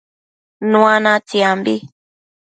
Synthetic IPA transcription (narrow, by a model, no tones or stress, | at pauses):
nũanãtiambi